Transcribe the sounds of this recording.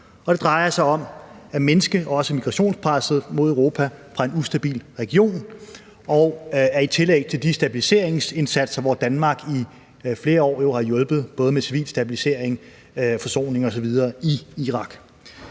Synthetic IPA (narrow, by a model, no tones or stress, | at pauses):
ɒ̽d̥e̝d̥ʁɑ̈ɪɐsɑ̈ɪɒ̽mæmenəsɡ̥əʔɒ̽səmiɡ̥ʁɑ̈ɕo̝̰ːnspʰʁɑ̈sð̩ˠmo̝ð̞ˠəʊʁo̝ːpʰæfʁɑ̈e̝nusd̥æb̥ḭːlʁɛɡ̥io̝̰ːn | ɒ̽ʊæɐit͡sʰe̝lḛːɪt͡sʰe̝ld̥isd̥æb̥ilise̝̰ɐ̰e̝ŋse̝nsæd̥sɐʋɒd̥ænmɑ̈ːɡ̥i | fle̝ːɐɒ̰ːjo̝hɑ̈jɔ̽lb̥ð̞̩ˠb̥ɔ̽ːð̞̩ˠəmesiʋḭːlsd̥æb̥ilise̝ɐ̰eŋ | fɒ̽so̝̰ːne̝ŋɒ̽sɒ̽ʋið̞ˠɐːiiʁɑ̈ɡ̥